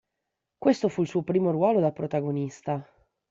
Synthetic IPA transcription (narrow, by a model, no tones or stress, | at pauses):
kwest̪ofuilsuːopɾiːmorwɔːlod̪alpɾot̪aɡonist̪a